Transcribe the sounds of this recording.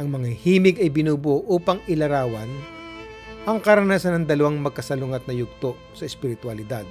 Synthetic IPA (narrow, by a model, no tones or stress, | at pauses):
ʔɐŋmɐŋahiːmɪɡɐjbɪnuːboʔuːpɐŋɪlɐɾaːwɐn | ʔɐŋkɐɾɐnasanɐŋd̪ɐlɐwaŋmɐɡ̚kɐsɐlʊŋɐt̪̚nɐjʊɡ̚t̪o | sɐɛspɪɾɪt̪wɐlɪd̪ad̪̚